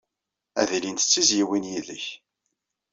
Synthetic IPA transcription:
æ̰ðilint̪ə̥t͡sːizjiwinjiðəç

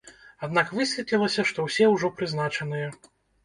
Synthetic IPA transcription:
ad̪nakvɨsʲvʲɛtʲlʲilˠɐsʲɐʂt̪ɔwsʲɛwʐɔpɾɨznat͡ʂɐn̪ɨjɐ

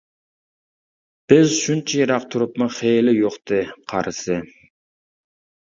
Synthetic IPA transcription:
b̥ɪzʃunt͡ʃʰɛjɑɾɑq̚t̪ʰuɾʊpmʊχelɪjoqt̪ɨqʰɑ̰ɾɨsɨ

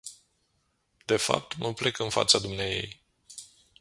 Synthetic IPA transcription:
d̪̥e̞fa̰p̚t̪məplekɨnfa̰t̪sad̪umneaje̞̰j

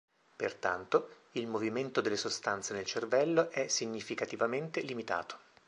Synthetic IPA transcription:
pḛrt̪a̰nt̪o | ilmoviment̪od̪elːesost̪ant̪senelt͡ʃervɛlːoʔɛsiɲːifikat̪ivament̪elimit̪a̰ːt̪o̥

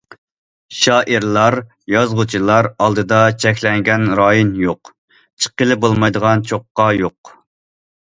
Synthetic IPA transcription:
ʃɑːʔɨɾlˠɑɾ | jɑzʁʊt͡ʃʰilˠɑɾɑlˠd̪ɨd̪ɑt͡ʃʰɛkʲʰlɛŋɡʲɛnɾɑːjinjoq | t͡ʃʰə̥qːəlˠɨbolˠmɑjd̪əʁɑnt͡ʃʰoqːɑjoq

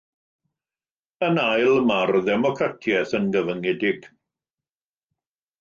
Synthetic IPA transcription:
ənajlˠmarðɛmɔkʰratʰjɛθənɡəvəŋɛdɪɡ̥

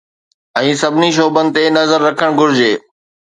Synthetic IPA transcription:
ɛ̃ːsɐbʱɪniʃ̬oːbənɪ̆t̪enɐzəɾːɐkʰəɽ̃ɡʱʊɾɪd͡ʑeː

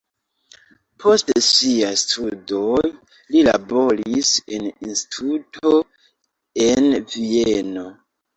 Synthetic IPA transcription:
pʰo̞stsiastʰudo̞j | lila̰bo̞ɾise̞ninsti̥tʰutʰo̞ | e̞nvieno̞

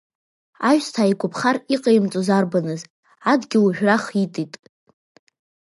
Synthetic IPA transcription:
aʒᶣstʰaːikʷʼʊpʰχariqʼajmt͡sʷʼozarbanɨz | adɡʲɪwʒᶣraχitʼitʼ

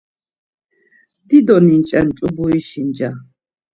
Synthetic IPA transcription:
d̪̥id̪ɔnint͡ʃʼant͡ʃʼubuiʃind͡ʒa

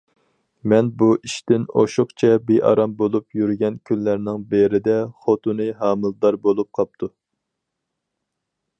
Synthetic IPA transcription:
mɛnbuʔiʃt̪ɪno̰ʃʊχt͡ʃʰɛbeʔɑ̰ɾɑmbolˠupjyɾɡʲɛnkʲʰynlːæɾnɪŋbeɾɪd̪ɛχot̪unɨɦɑːmɨlˠd̪ɑɾbolˠup̚qʰɑp̚t̪ʰu

